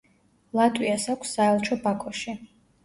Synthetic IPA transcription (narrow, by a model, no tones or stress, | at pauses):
lˠat̪ʼwiasakʰʷsːaɛlˠt͡ʃʰɔbakʰɔʃi